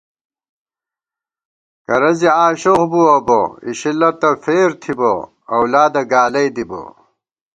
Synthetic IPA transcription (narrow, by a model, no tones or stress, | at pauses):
kɐɾɐziaːɕoɣbuɐbo̰iɕilːɐt̪ɐfeːɾt̪ʰibɐ | ɐwlaːd̪ɐɡaːlɐjd̪ibo̰